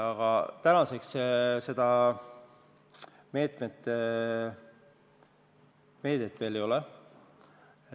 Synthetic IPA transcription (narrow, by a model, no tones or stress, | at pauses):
ɑɡ̥ɑt̪ænɑse̞ksse̞d̪̥ɑ | me̞ːt̪ˑmet̪ːˑe | me̞ːd̪̥et̪ːˑve̞ːljo̞lɛ